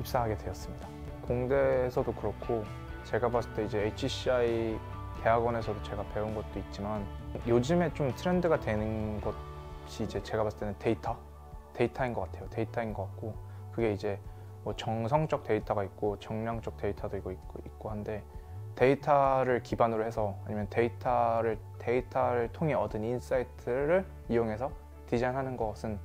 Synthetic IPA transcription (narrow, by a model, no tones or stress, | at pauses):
ip̚s͈aɦaɡe̞dwe̞jʌs͈ɯmɲida | koŋde̞ːsʰʌdokɯɾʌkʰo | t͡ɕe̞ɡapas͈ɯt͈e̞id͡ʑe̞ːt͡ɕʰiɕʰiai | pe̞ɦaɡwʌne̞sʰʌdot͡ɕe̞ɡape̞unɡʌt̚t͈oit̚t͡ɕ͈imanjod͡ʑɯme̞t͡ɕomtʰɯɾe̞ndɯɡadwe̞nɯnɡʌt̚ɕʰiːd͡ʑe̞t͡ɕe̞ɡapas͈ɯ̥t͈enɯnteitʰʌ | te̞itʰainɡʌk͈atʰe̞jote̞itʰainɡʌk͈at̚k͈o | kɯɡe̞id͡ʑe̞ | mʌt͡ɕʌŋsʰʌŋt͡ɕ͈ʌk̚t͈e̞itʰʌɡaik̚k͈ot͡ɕʌŋɲaŋt͡ɕ͈ʌk̚t͈e̞itʰadoiɡoi | ik̚k͈oɦande̞te̞itʰaɾɯɭkibanɯɾoɦe̞sʰʌaɲimjʌnte̞itʰaɾɯɭ | te̞itʰaɾɯɭtʰoŋɦe̞ʌdɯnins͈aitʰɯɾɯɭ | ijoŋɦe̞sʰʌ | tid͡ʑanɦanɯnɡʌsʰɯn